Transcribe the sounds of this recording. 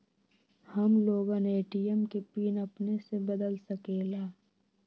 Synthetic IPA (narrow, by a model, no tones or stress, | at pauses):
həmloːɡãneːʈijəmkepiːnəpnesebəd̪əlsəkeːlaː